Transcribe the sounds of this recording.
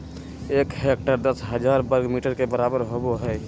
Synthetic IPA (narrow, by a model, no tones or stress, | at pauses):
eːkhek̚ʈəɾd̪əsɦəd͡ʒaːɾbəɾɡmiːʈəɾkebəɾaːbəɾɦoboɦɛ